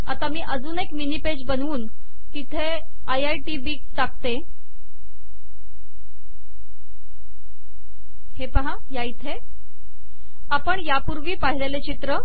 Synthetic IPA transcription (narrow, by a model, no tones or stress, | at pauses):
a̰t̪amiːʔəd͡zuːnekminiped͡ʑbənuːn | t̪it̪ʰe | ajajʈibiːk̚ʈ̪ak̚t̪e | hepaɦa | jait̪ʰe | apəɳjapuɾʋiːpaɦilelet͡ɕit̪ɾə